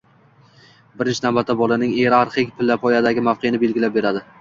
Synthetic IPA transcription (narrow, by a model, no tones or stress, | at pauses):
bɪɾɪnt͡ʃʰnawbat̪ʰːabɒlˠanɪŋeɾaɾχɪkʲpʰɪlːapʰɒjad̪aɡʲɪmafqʰenɪbe̞lɡʲɪlap̚be̞ɾad̪ɪ